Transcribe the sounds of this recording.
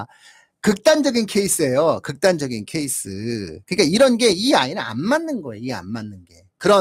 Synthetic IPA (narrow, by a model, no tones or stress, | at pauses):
kɯk̚t͈and͡ʑʌɡinkʰe̞is͈ɯe̞jokɯk̚t͈and͡ʑʌɡinkʰe̞is͈ʰɯ̰kɯɲik͈aiɾʌnɡe̞iainɯna̰nmanːɯnɡʌeia̰nmanːɯnɡe̞̰ | kɯɾʌ